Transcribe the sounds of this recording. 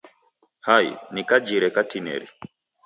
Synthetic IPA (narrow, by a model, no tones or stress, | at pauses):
hajḭnikad͡ʒiɾɛkatinɛ̰ɾḭ